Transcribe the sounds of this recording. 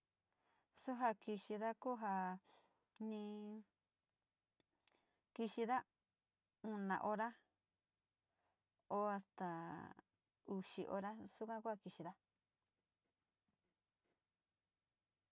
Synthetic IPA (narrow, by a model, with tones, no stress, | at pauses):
su˦ɦa˧ki˧ʃi˧ða˦ku˦ɦa˧ | nĩ˧ | ki˧ʃi˧ða˦ | ũ˧nã̰˨ʔo˧ɾa˦ | o˧a˧st̪a˨ | u˧ʃḭ˧ʔo̰˧ɾa˦su˦kã˦ku˦a˧ki˧ʃi˧ða˦